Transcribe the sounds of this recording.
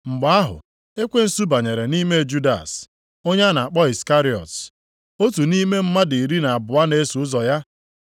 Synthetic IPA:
ŋ͡m̩˨ɡ͡ba˦a˦ɦʊ̰˨ | e˦kʷe˦n̩˦su˦ba˨ɲe˨ɾe˨ni˦me˦˨d͡ʒu˦da̰˨s | o˦ɲa˦na˨a˨k͡pɔ˦i˨ska˦ɾi˦˨ɔ̰˨t | o˦tu˨ni˦me˦m̩˦ma˦di˨i˨ɾi˦na˨a˨bʊ˨a˦ne˦su˨ʊ˦zɔ˨ja˦

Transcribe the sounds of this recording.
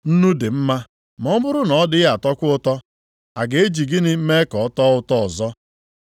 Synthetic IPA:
n̩˦nu˦dɪ˨m̩˦ma˦ | m˨ɔ˦bʊ˦ɾʊ˦nɔ˨˦dɪ˦ɣa˨tɔ˦kʷʊ˦ʊ˦tɔ˦ | a˨ɡe˦d͡ʒi˨ɡɪ˦nɪ˦m̩˦me˦kɔ˨ɔ˦tɔ˦ʊ˦tɔ˦ɔ˨zɔ˦

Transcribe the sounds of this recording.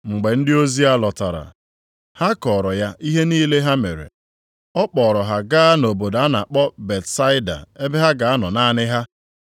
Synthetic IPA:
ŋ͡m̩˨ɡ͡be˨n̩˦dɪ˦o˦zi˦a˦lɔ˨ta˨ɾa̰˨ | ha˦kɔː˨ɾɔ˨ja˦ʔi˦ɦe˦niː˦le˦ɦa˦me˨ɾḛ˨ | ɔ˦k͡pɔː˨ɾɔ˨ɦa˦ɡaː˦a˦no˨bo˨da˦na˨k͡pɔ˦be˨tsa˦ɪ˦da̰˨e˦be˦ɦa˦ɡa˨a˦nɔ˨na˦nɪ˦ɦa˦

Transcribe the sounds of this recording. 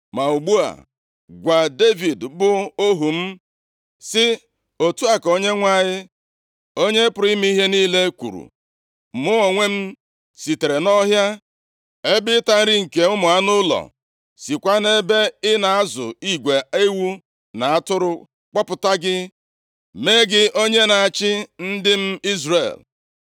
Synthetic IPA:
ma˨u˨ɡ͡bu˦a̰˨ | ɡʷa˨de˦vi˨dbʊ˨o˦ɦu˨m̩˦ | sɪ˦ | o˨tu˦a˨ko˦ɲe˦ŋʷa˦ɲɪ˦ | o˦ɲe˦pʊ˨ɾi˦m˦ɦe˦niː˦le˦kʷṵ˨ɾṵ˨ | m̩˨mʊ˦ɔ˨ŋʷe˦m̩˦ | si˨te˨ɾe˨nɔ˦ɦja˦ | e˦bɪ˦ta˦n̩˦ɾi˦ŋ̩˨ke˨ʊ˦mʊ˨a˦nʊ˦lɔ̰˨ | si˨kʷa˦ne˦be˦ɪ˦na˨a˦zʊ̰˨i˦ɡʷe˨e˦wu˦ | na˨a˦tʊ˦ɾʊ˦ | k͡pɔ˦pʊ˨ta˦ɡɪ˦ | me˦ɡɪ˦o˦ɲe˦na˨a˨t͡ʃɪ˦n̩˦dɪ˦m̩˦i˦zrḛ˨l

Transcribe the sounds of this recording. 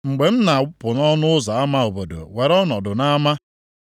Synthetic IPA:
ŋ͡m̩˨ɡ͡be˨m̩˦na˨ʊ˦pʊ˨nɔ˦nʊ˦ʊ˦za˨a˦ma˦o˨bo˨do̰˨we˨ɾɔ˦nɔ˨dʊ˨na˦ma˦

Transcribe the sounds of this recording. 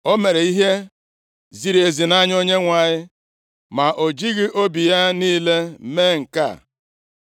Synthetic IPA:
o˦me˨ɾe˨i˦ɦe˦ | zi˨ɾe˨zi˨na˦ɲ˦o˦ɲe˦ŋʷa˨ɲɪ˦ | ma˨ʔo˨d͡ʒi˦ɣi˦ʔo˦bi˨ja˦niː˦le˦me˦˨ŋ̩˨ka̰˦˨

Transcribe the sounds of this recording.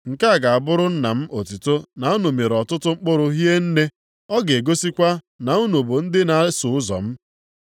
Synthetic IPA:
ŋ̩˨ka˦a˨ɡa˨a˨bʊ˦ɾʊ˦n̩˦na˨m̩˦ʔo˨ti˨to˦na˨u˦no˨me˨ɾɔ˨tʊ˦tʊ˦ŋ͡m̩˦k͡pʊ˦ɾʊ˦ɦi˦e˦n̩˦ne˦ | ɔ˦ɡe˨ɡo˦si˦kʷa˦ | na˨u˦no˨bo˨n̩˦dɪ˦na˨˦sʊ˨ʊ˦zɔ̰˨m̩˦

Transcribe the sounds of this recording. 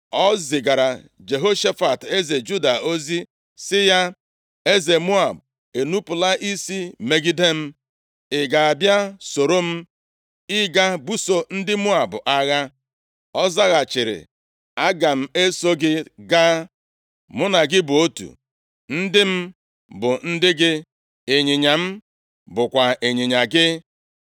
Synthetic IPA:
ɔ˦zɪ˨ɡa˨ɾa˨d͡ʒe˨ɦo˦ʃa˦fa˨te˦ze˨d͡ʒu˦da˨o˦zi˦ | sɪ˦ja˦ | e˦ze˨mʊ˦a˨b | e˨nu˦pʊ˨la˦ʔi˦si˦me˨ɡi˦de˦m̩˦ | ɪ˨ɡa˨a˨bja˦so˨ɾo˦m̩˦ | ɪ˦ɡa˦bu˦so˨n̩˦dɪ˦mʊ˦a˨bʊ˨ʔa˦ɣa˦ | ɔ˦za˦ɣa˨t͡ʃɪ˨ɾɪ̰˨ | a˦ɡa˨m̩˦e˦so˦ɡɪ˦ɡaː˦ | mʊ˦na˨ɡɪ˦bʊ˨o˦tṵ˨ | n̩˦dɪ˦m̩˦ | bʊ˨n̩˦dɪ˦ɡɪ˦ | e˨ɲɪ˨ɲa˨m̩˦ | bʊ˨kʷa˨e˨ɲi˨ɲa˨ɡɪ˦

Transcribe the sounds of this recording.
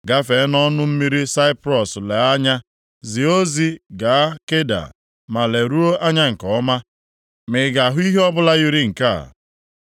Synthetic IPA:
ɡa˦fe˨˦nɔ˦nʊ˦m̩˦mi˦ɾi˦sa˦ɪ˦pɾɔ˨sle˨a˦ɲa˦ | zi˨o˦zi˦ɡa˨a˦ke˦da̰˨ | ma˨le˨ɾu˦o˦ʔa˦ɲa˦ŋ̩˨kɔ˨˦ma˦ | mɪ˨˦ɡa˨ɦʊ˦i˦ɦe˦ɔ˦bʊ˦la˦ɣi˦ɾi˦ŋ̩˨ka̰˦˨

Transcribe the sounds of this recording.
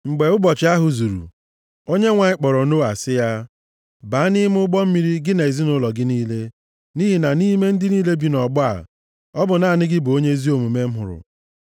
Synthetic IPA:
ŋ͡m̩˨ɡ͡be˨ʊ˦bɔ˨t͡ʃɪ˨˦a˦ɦʊ˨zu˨ɾṵ˨ | o˦ɲe˦ŋʷa˨ɪ˦k͡pɔ˨ɾɔ˨no˦a˨sɪ˦ja˦ | ba˨˦a˦nɪ˦m˦ʊ˦ɡ͡bɔ˦m̩˦mi˦ɾi˦ɡɪ˦ne˨zi˦nʊ˦lɔ˨ɡɪ˦niː˦le˦ | ni˦ɦi˨na˨ni˦me˦n̩˦dɪ˦niː˦le˦bi˨nɔ˨ɡ͡bɔ˦a̰˨ | ɔ˦bʊ˨na˦˨nɪ˦ɡɪ˦bʊ˨o˦ɲe˦zi˦o˨mu˨me˦m̩˦ɦʊ̰˨ɾʊ̰˨

